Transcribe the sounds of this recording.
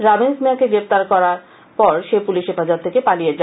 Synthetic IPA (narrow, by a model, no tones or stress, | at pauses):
ɾabensmeakeɡɾept̪aɾkɔɾaɾ | pɔɾʃepuliʃɦefad͡ʑɔt̪ʰːekepalijed͡ʑa